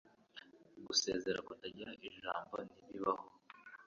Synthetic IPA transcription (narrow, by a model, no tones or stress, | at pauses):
ɡuse̞̰ːze̞ɾakutaɟiɾaʔiʒaːmbo̞niβiβaho